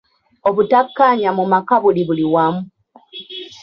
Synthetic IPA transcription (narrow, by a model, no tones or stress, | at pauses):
o̞βutakːaɲamumakaβuliβuliwamu